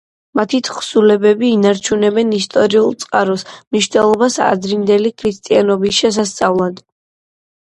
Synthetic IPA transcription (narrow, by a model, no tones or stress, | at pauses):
mat̪ʰit̪ʰχsulɛbɛbiːnaɾt͡ʃʰunɛbɛnist̪ʼɔɾiulˠt̪sʼqʼaɾɔsmniʃvnɛlˠɔbasa̰d̪ɾind̪ɛlikʰɾist̪ʼianɔbisʃɛs̬ast̪sʼavlˠad̪